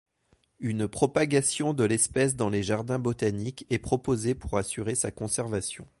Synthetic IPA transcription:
ynpχɔpaɡasjɔ̃d̪əlɛspɛs̬d̪ɑ̃leʒaʁd̪ɛ̃bot̪anikɛpχɔpozepuʁasyʁesakɔ̃sɛʁvasjɔ̃

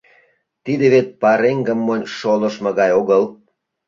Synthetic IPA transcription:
t̪id̪eβet̪̚pɑɾeŋɡə̆mːonʲʃolə̆ʃmɤ̆ɣɑjoɣəl

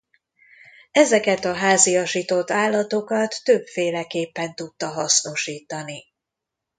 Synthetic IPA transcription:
ɛzɛkɛt̪ɒɦaːziɒʃit̪o̞t̪ːaːlːɒt̪o̞kɒt̪ːøbfeːlɛkeːpːɛnt̪ut̪ːɒɦɒsno̞ʃiːt̪ɒni

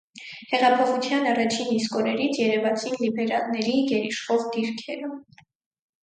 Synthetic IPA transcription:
hɛʁɑpʰɔχut͡sʰjɑnɑrɑt͡ʃʰinːiskɔɾɛɾit͡sʰjɛɾɛvɑt͡sʰinlibɛɾɑlnɛɾiɡɛɾiʃχɔʁd̪iɾkʰɛɾə

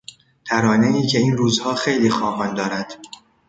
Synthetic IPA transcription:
t̪ʰæɾɒːneiːcʰe̞iːnɾuːzhɒːxe̞jliːxɒːɦɒːnd̪ɒːɾæd̪̥

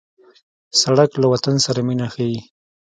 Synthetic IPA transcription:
saɽaklawat̪ansaɾaminaxaji

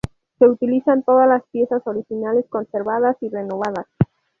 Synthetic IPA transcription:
se̞ut̪ilisant̪o̞ð̞azlaspje̞saso̞ɾixinale̞sko̞nse̞ɾβað̞asire̞no̞β̞aðas

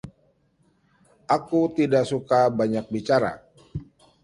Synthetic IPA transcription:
ʔakut̪idaʔsukabaɲak̚bit͡ʃaɾa̰

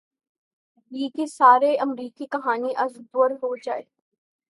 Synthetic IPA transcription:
jiːkesaːɾeɐmɾiːkikɐɦaːniʔɐzɡəɾɦod͡ʒaːeː

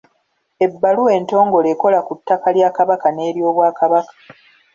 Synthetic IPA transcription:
e̞bːalue̞ːnto̞ːŋɡo̞leko̞lakutːakaljaːkaβakane̞ːɾjo̞ːβwaːkaβakḁ

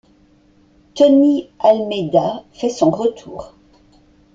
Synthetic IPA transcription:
t̪ɔnialmed̪afɛsɔ̃ʁət̪ʰuːʁ

